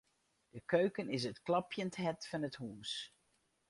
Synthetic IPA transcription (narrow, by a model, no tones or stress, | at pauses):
d̥əkøɥkənɪs̬ətklɑpjəntɦɛtfɑnətɦuːs